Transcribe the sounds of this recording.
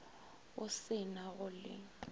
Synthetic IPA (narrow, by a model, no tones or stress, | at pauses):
ʊsɪnaɣʊlɪ̰